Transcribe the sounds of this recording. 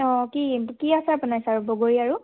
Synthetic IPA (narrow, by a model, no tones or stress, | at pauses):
ɔ̃kikiasɛapʊnajsaɹuboɡoɹiaɹʊ